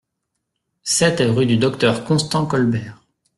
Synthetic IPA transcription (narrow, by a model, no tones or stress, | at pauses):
sɛt̪ʁyd̪yd̪ɔkt̪œʁkɔ̃st̪ɑ̃kɔlbɛːʁ